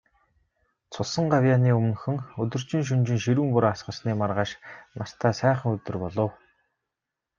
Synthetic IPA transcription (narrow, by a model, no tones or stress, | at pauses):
t͡sʰʊsə̆ɴɢawʲjaːniːɵmɵ̆nxɵ̆ŋɵt̪ɵ̆r̥t͡ɕɪ̆ŋʃ̬ɵnt͡ɕɪ̆ŋʃiɾuːmpʊɾaːasɢə̆sniːmarʁaːʃnar̥t̪ʰaːsæːχə̆ŋɵt̪ɵ̆rpɔɮɞ̆w